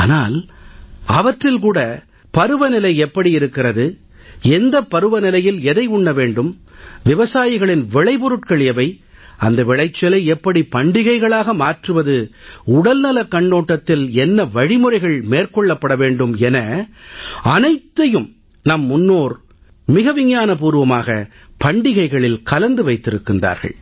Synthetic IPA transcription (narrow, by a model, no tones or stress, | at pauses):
aːna̰ːl | ɐʋɐʈrɪlkuːɽɐ | pɐɾɯʋɐnɪlɐɪɛpːɐɽiɪɾɯkːɪrɐðɯ | ɛnd̪ɐpːɐɾɯʋɐnɪlɐjɪlɛðɐɪʊɳːɐʋeːɳɖɯm | ʋɪʋɐsaːjɪɣɐɭɪnʋɪɭɐɪpɔɾɯʈ̚kɐɭjɐʋɐɪ | ɐnd̪ɐʋɪɭɐɪt͡ʃːɐlɐɪɛpːɐɽipɐɳɖɪɣɐɪɣɐɭaːɣɐmaːʈrɯʋɐðɯʊɽɐlnɐlɐkːɐɳːoːʈːɐt̪ːɪlɛnːɐʋɐɻɪmɯrɐɪɣɐɭmeːrkɔɭːɐpːɐɽɐʋeːɳɖɯmɛnɐ | ɐnɐɪt̪ːɐjɯm | nɐmːʊnːoːɾ | mɪɣɐʋɪŋjaːnɐpuːɾɯʋɐmaːɣɐ̰ | pɐɳɖɪɣɐɪɣɐɭɪlkɐlɐnd̪ɯʋɐɪt̪ːɪɾɯkːɪnda̰ːɾɣɐ̰ɭ